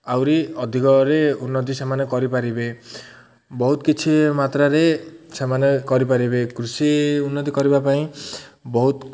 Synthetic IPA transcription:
awɾiɔd̪ʱikɔɾeunːɔt̪̬isemanekɔɾipaɾibe | bɔɦut̪kit͡ʃʰimat̪ɾaɾesemanekɔɾipaɾibekɾusiunːɔt̪̬ikɔɾibapaĩbɔɦut̪

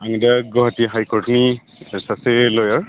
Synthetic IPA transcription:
aŋdaɡɔɦatiɦajkɔɹtni | ɛsaselɔjaɹ

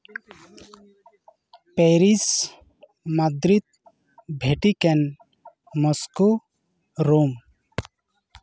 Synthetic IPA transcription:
peɾis | mad̪ɾit̪̚ | bʱeʈikɛn | mɔsku | ɾom

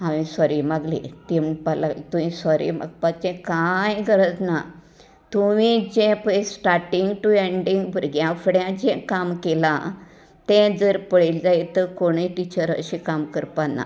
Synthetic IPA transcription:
ɦãʋisɔɾiməɡlḭt̪impalat̪umĩsɔɾḭmə̰ɡ̚pat͡ɕɛ̃kajɡʱəɾəd͡zna | t̪umid͡ʑɛ̃pəsʈaɾʈiŋɡʈueɳɖiŋɡbʱəɾɡjãfɽjãd͡ʑɛ̃kamkelã̰ | t̪ɛ̃d͡zəɾpəɭild͡zajit̪əkoɽ̃it̪it͡ɕəɾə̰ɕikamkəɾpanːa̰

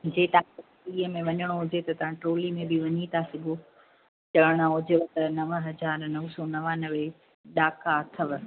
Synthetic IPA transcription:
d͡ʑeːt̪ɐã | iːəmẽʋɐɲəɽ̃oɦʊd͡ʑet̪ɐt̪ɐʋ̤ãʈɾoːlimẽbɪʋɐɲit̪ʰasɪɡʱo | t͡ɕɐʋəɽ̃aɦʊd͡ʑeʋt̪ɐnɐʋəɦɐd͡ʑaːɾnɐʋsɔnɐʋanɐʋe | ɗaːkat̪ʰɐʋ

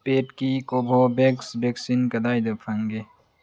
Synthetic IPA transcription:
peːʈkikobʱoːbeksbeksinkɐd̪aːjd̪ɐpʰɐ̃ŋɡe

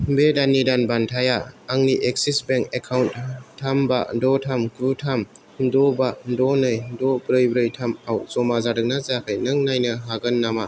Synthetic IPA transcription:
bedanːidanbantʰajaaŋniʔek̚sisbeŋkekʰawnttʰːambadɔtʰamkʰɾutʰam | dɔbadɔnɯjdɔbɾɯjbɾɯjtʰamawzɔmazaɾɯk̚nazakʰɯjnɯŋnajnɯɦaɡɯnːama

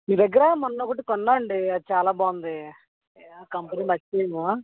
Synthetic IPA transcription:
miːd̪ɐɡːɐɾɐmɐnɐːokɐʈ̬ikɔnːaːɐɳɖiɐd̪it͡ʃaːlaːbaːund̪i | aːkɐmpɐniːmɐt͡ʃːeːjɐmo

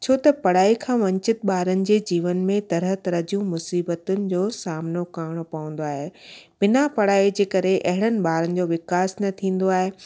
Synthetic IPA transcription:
t͡ɕʰoːt̪ɐpɐɽaːikʰãːʋɐ̃ɲt͡ɕɪt̪̚ɓaːɾənɪ̆d͡ʑeːd͡ʑiːʋənmẽt̪ɐɾəɦt̪ɐɾəd͡ʑijũmʊsiːbət̪ʊnɪ̆d͡ʑoːsaːmnokaːɽ̃opɐʋə̃n̆d̪oaːɦeb̥ɪnapɐɽaːid͡ʑeːkɐɾeʔɐɦɪɽ̃ənɪ̆ɓaːɾənɪ̆d͡ʑoːʋɪkaːsnɐt̪ʰĩːn̆d̪oaːɦe

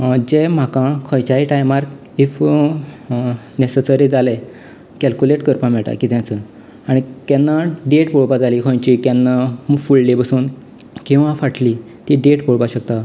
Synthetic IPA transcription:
d͡ʑem̤akãkʰɔ̃jt͡ɕaiʈajmaɾk | if | nesesəɾid͡zale | kɛlkuleʈkəɾpãmɛɭʈa̰kit̪jãt͡sə | aɽ̃it̪janːaɖeʈpoɭpad͡zalikʰɔ̃jt͡ɕik̪janːafullebəsuːn | kĩw̃ʋãfaʈʰli | t̪iɖeʈpoɭpaɕək̚t̪a

